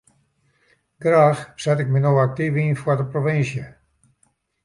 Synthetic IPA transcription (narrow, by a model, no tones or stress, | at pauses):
ɡ̥raːxsɛtɪk̚mənowak̚tivinfwədəproʋɪnsjə